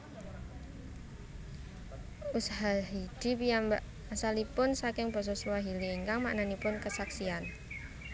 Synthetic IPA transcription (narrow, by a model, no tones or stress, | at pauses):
usaɦaɦid̪̥ipijambaʔ | asalipʊnsakɪŋbɔ̤s̬ɔsuaɦiliːŋkaŋmaʔnanipʊnkəsaksian